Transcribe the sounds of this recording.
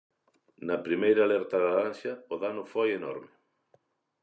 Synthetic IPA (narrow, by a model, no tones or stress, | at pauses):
nɐpɾimejɾaːlɛɾt̪ɐðaðansjɐʊðanʊfojenɔ̰ɾmɪ